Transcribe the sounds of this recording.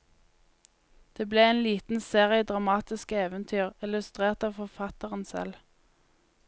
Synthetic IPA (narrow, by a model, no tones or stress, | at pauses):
d̪̥eːbleːɛnliːt̪n̩seːʁɪəd̪ʁɑmɑːt̪ɪskəeːʋənt̪ʰyːʁɪlʉst̪ʁeːʁt̪ɑːʋfɔʁfɑt̪əʁənsɛ̰l